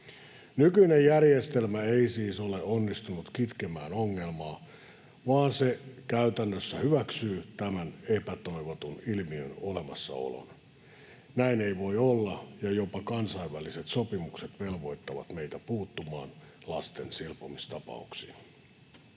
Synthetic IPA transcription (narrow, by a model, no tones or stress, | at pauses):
nykyinejjærjest̪elmæeisiːsoleonːist̪unut̪kit̪kemæːnoŋːe̞lmɑː | ʋɑːnsekæyt̪ænːøsːæhyʋæksyːt̪æmænepæt̪o̞iʋot̪unilmiø̰nolemɑsːɑ̰o̰lo̰n | næineiʋo̞iolːɑjɑjopɑkɑnsɑiʋʋæliset̪sopimukset̪ʋelʋo̞it̪ːɑʋɑ̰t̪meit̪æpuːt̪ːumɑ̰ːn | lɑst̪ensilpomist̪ɑpɑ̰uksḭːn